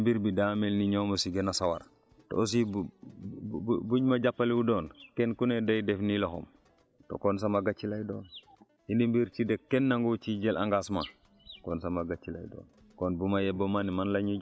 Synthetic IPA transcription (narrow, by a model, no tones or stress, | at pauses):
mbiɾbidamelniɲoːmosiɡenasawa̰ɾ | to̰os̬i | buɲmaɟapːaliwudoːnkenkunedajdefniloxo̰m | to̰kons̬amaɡat͡ʃːilajdo̰ːn | indimbiɾt͡ʃidekkːenːaŋɡut͡ʃiɟelʔaŋɡasma̰ | konsamaɡat͡ʃːila̰jdo̰ːn | konbumajebomanimanlaɲi